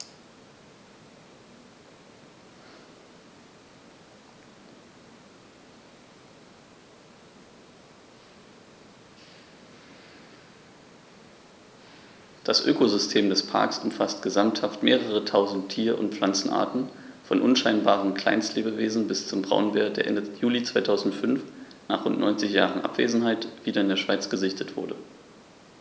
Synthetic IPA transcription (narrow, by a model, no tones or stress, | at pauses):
d̥asʔø̰ːkozʏstʰeːmdɛspʰa̰ɐksʊmfast̚ɡ̥əzamthaftmeːʁəʁətʰaʊzn̩tʰːiːɐʔʊ̰ntp͡fl̥ant͡sn̩ʔa̰ːɐtn̩fɔnʔʊnʃaɪnbaːʁənkʰl̥a̰ɪnstleːbəveːzn̩bɪst͡sʊmbʁa̰ʊnveːɐdeːɐʔɛ̰ndəjuːlit͡sv̥aɪtʰaʊzn̩tfʏnfnaːχʁʊntnɔ̰ʏnt͡sɪçja̰ːʁənʔa̰pv̥ḛːzn̩haɪtv̥iːdɐɪndeːɐʃv̥aɪt͡sɡ̥əzɪçtʰətv̥ʊɐdə